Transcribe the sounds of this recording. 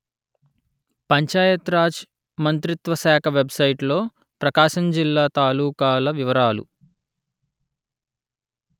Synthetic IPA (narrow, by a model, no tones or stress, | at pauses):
pɐɲt͡ʃaːjɐt̪ɾaːd͡ʒ | mɐnt̪ɾit̪ʋɐʃaːkʰɐʋebsɐjʈlo̞ː | pɾɐkaːʃɐmd͡ʒilːaːt̪aːluːkaːlɐʋiʋɐɾaːlṵ